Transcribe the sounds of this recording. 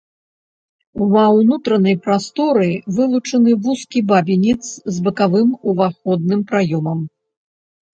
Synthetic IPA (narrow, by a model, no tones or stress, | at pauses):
umɐwnut̪ɾɐnɐjpɾast̪ɔɾɨvɨlˠut͡ʂɐnɨvuskʲibabʲinʲit̪szbɐkavɨmuvaxɔd̪nɨmpɾajɔmɐm